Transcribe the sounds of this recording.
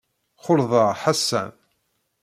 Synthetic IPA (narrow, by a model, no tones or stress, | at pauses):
χʊɾðˤɑʁħasːæ̰n